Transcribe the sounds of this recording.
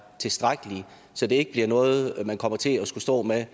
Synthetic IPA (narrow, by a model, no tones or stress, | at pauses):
t͡sʰe̝sd̥ʁaɡ̥əli | sɒ̽d̥e̝e̝ɡ̥əb̥liɐnɔ̽ːð̞̩ˠmænkʰɒ̽m̰ɐt͡sʰe̝lɒsɡ̥usd̥ɔ̰̽ːme